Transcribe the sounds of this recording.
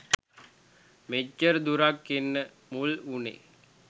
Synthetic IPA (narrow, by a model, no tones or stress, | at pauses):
med͡ʒːərd̪uɾakːenːə | mulunḛ